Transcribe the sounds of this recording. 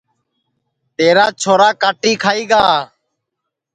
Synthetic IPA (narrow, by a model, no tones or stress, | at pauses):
t̪eːɾaːt͡ʃʰoːɾaːkaːʈiːkʰaːiːɡaː